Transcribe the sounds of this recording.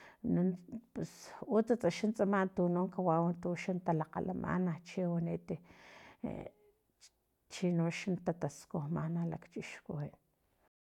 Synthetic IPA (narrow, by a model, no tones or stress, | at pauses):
nunpesut͡sat͡sʼaʃant͡sʼamant̪unoŋkawawunt̪uʃant̪alaqa̰lamʔa̰naht͡ʃiwanit̪ḛ | t͡ʃinoʃant̪at̪askohmanala̰kt͡ʃiʃkohiʔn